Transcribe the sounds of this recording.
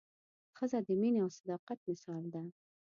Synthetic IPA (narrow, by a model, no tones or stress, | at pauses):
xəzad̪əmineawsad̪ɑqat̪̚mɪsɑld̪a